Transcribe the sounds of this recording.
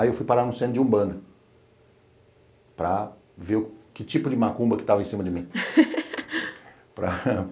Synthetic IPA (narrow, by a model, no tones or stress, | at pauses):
aiewfujpaɾaɾnʊ̃sẽnʊd͡ʒɪũbɐ̃nd̪ɐ | pɾɐ | veɾʊkɪt͡ʃipʊd͡ʒɪmakũbɐkɪ̥t̪avɐẽsĩmɐd͡ʒɪmĩ | pɾɐ